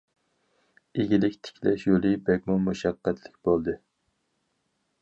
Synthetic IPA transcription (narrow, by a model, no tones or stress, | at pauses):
eɡʲilɪkʲt̪ʰɪ̥kʲʰlɛ̰ʃjolˠɨbɛkʲmumuʃɑqːɛt̪ʰlɪk̚ʲb̥olˠd̪ɨ